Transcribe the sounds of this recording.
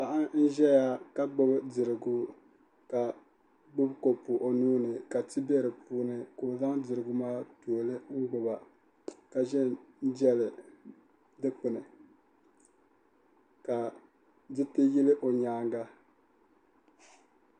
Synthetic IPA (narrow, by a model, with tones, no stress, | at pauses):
pa˨ʔa˦ŋn̩˦ʒɛ˦ja˦ka˦ɡ͡bʊ˦bɨ˦dɨ˨ɾɨ˨ɡʊ˦ | ka˨ | ɡ͡bʊ˦bko˨pʊ˨ʔo˨nuː˦nɨ˨ka˨tɨ˦bɛ˦ɾɨ˨puː˦nɨ˨koː˨za˦ŋdɨ˨ɾɨ˨ɡʊ˦maː˦to˨lɨ˦ŋ̩˦ɡ͡bʊ˨ba˨ | ka˨ʒɛ˦n̩˦d͡ʒɛ˦lɨ˨ | dɨ˦k͡pɨ˨nɨ˨ | ka˨ | dɨ˦tɨ˦ji˦lɨ˦ʔo˨ɲaː˦ŋɡa˦